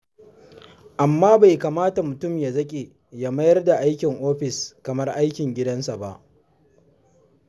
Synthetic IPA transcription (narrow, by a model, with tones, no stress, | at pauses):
ʔa˨mːaː˦ba˨jkaː˨maː˦ta˨mʊ˨tʊ˦˨mja˨zɐ˦kʲʼe˨ | ja˦mɐ˦jɐ˦rda˨ʔa˦jkʲɪ˨ŋʔoː˦ɸɪ˨skɐ˨mɐ˦rʔa˦jkʲɪ˨ŋɡʲɪ˦dɐ˦nsa˨ba̰˨ʔ